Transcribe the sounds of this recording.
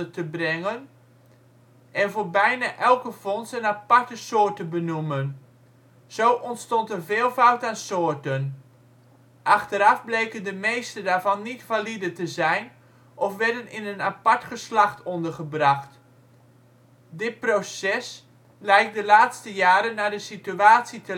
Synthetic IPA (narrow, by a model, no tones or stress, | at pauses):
ətəbrɛŋən | ɛnvoːbɛjnaʔɛlˠkəfɔnsənapaɹtəsoːɹtəbənumən | z̥owʔɔntstɔntərvɪːlˠfawtaːnsoːɹtən | ʔaxtəɾɑfblejkəndəmejstədaːɹvɑnːitfalidətəzɛjn | ʔɔfʋɛɹdənɪnənapaɹtχəslaxtɔndərχəbrɑχt | dɪt̚prosɛs | lɛjk̚dəlaːtstəjaːɾənːaːdəsityaːtsitə